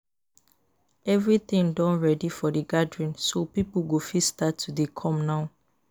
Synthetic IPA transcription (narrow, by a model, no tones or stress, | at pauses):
ɛvɹit̪ĩŋdɔ̃nɹɛdifɔdəɡadɹĩnsopipuɡofistatʰːudekʰɔ̃mnaʊ